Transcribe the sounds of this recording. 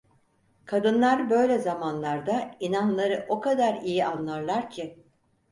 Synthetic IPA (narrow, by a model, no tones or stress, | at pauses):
kʰad̪ɯnlˠaɾbø̞jlʲɛzamanlˠaɾd̪ainanlˠaɾɯʔo̞kʰad̪aɾijiʔanlˠaɾlˠaɾcʰɪ